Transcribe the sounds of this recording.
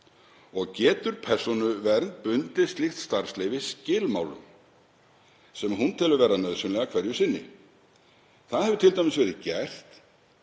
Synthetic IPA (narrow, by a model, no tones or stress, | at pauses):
ɔɣcɛːt̪ʏɾ̥pʰɛr̥sɔnʏvɛɾnt̪̚pʏnt̪ɪst̪lixt̪st̪aɾ̥sleːjvɪscɪːlma̰ːwlʏ̰m | sɛmɦunt̪ʰɪlʏvɛːɾanœðsʏnlɛɣakʰvɛɾjʏsɪnːɪ̰ | θaðhɛvʏt̪ʰɪlt̪ajmɪsvɛːɾɪðcɛr̥t̪